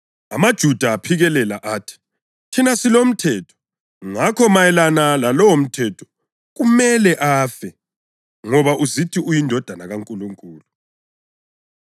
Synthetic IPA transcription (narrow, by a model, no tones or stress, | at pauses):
a̰mad̥ʒ̥ʱud̥ʱaːpʰiɣɛlɛlaʔaːtʰi̥ | tʰinasilom̩tʰɛːtʰɔ̥ | ŋakʰɔmajɛlanalalɔwom̩tʰɛtʰɔ̥ | ɣumɛlɛʔaːfɛ | ŋɔβaʔuzitʰiujindʱɔd̥ʱanaɣaŋkʼuluŋkʼuːlu